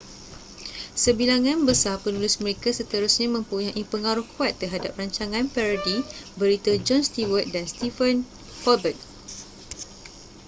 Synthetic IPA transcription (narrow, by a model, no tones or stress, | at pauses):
səbilaŋãnbəsapənulʊsmə̃ɾekasət̪əɾusɲamə̃mpuɲãʔipəŋaɾʊhkuat̪ːərɦadap̚raɲt͡ʃaŋãnpɛɾədibəɾit̪əd͡ʒɔnst̪iwət̪̚danst̪ifən | kɔbət̪̚